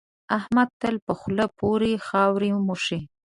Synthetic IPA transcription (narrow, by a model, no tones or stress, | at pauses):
ahmad̪̚t̪əlpəxləpʰoɾexɑwɾimuʂi